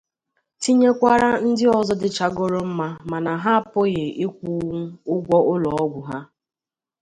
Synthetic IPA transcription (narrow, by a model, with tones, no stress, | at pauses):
ti˦ɲe˦kʷa˦ɾa˦n̩˦dɪ˦ɔ˨zɔ˦dɪ˨t͡ʃa˦ɡʊ˦ɾo˦m̩˦ma˦ma˨na˨ɦa˦a˨pʊ˦ɣɪ˨i˦kʷu˦ʊ˦ɡʷɔ˦ʔʊ˦lɔ˨ɔ˦ɡʷʊ˨ɦa˦